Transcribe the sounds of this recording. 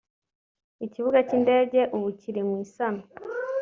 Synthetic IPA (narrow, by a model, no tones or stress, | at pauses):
iciβuɡaciːnde̞ːɟe̞ʔuβuciɾimwiːsano